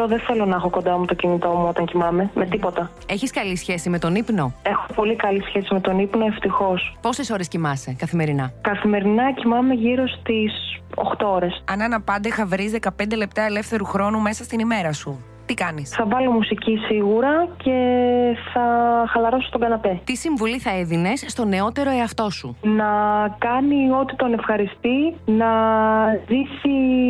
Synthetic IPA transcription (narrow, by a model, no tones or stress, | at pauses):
oðeθe̞lo̞nɐɐxoko̞nd̪ɐomɐt̪o̞cinit̪o̞muot̪ɐŋcimɐme̞me̞t̪ipo̞t̪ɐ | e̞çiskɐlisçe̞sime̞t̪o̞nipno̞e̞xopo̞likɐlisçe̞sime̞t̪o̞nipno̞eft̪ixo̞spo̞seso̞ɾescimɐse̞kɐθime̞ɾinɐkɐθime̞ɾinɐcimɐme̞ʝiɾo̞st̪iso̰xt̪ooɾe̞sɐnɐnɐpɐnd̪exɐvɾizðe̞kɐpend̪e̞le̞p̚t̪ɐele̞fθe̞ɾuxɾo̞nume̞sɐst̪inime̞ɾɐsu | t̪ikɐnisθɐvɐlo̞musicisiɣuɾɐce̞θɐxɐlɐɾo̞so̥t̪oɡɐnɐpe̞t̪isiɱvuliθɐeðine̞sst̪o̞ne̞o̞t̪e̞ɾo̞e̞ɐft̪o̞sunɐkɐnio̞t̪i̥t̪o̞ne̞fxɐɾist̪inɐ | ðisi